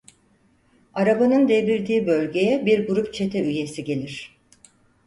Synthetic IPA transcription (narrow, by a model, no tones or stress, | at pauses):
aɾabanɯnd̪ebilʲd̪iːbølʲɟe̞jɛbiɾɡuɾupt͡ʃʰe̞t̪ʰɛyje̞siɟe̞lʲiɾ̥